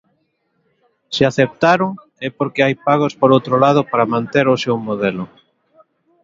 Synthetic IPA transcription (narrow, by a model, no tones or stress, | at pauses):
sɪaθep̚t̪aɾoŋ | ɛpoɾkeajpaɣ̞ospoɾowt̪ɾolað̞opaɾamãnt̪eɾʊsewmoðelʊ